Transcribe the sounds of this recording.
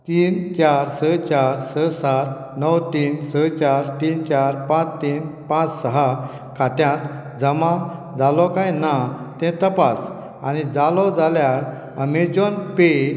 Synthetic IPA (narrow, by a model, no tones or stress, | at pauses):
t̪iːnt͡ɕaɾsət͡ɕaɾsəsaɾ | nəwt̪iːnsət͡ɕaɾt̪iːnt͡ɕaɾpãt͡st̪iːnpãt͡ssəɦa | kʰat̪jãt̪ | d͡zəmãd͡zalɔkajnat̪ɛ̃t̪əpas | anid͡zalɔd͡zaljaɾ | əmed͡ʑɔnpe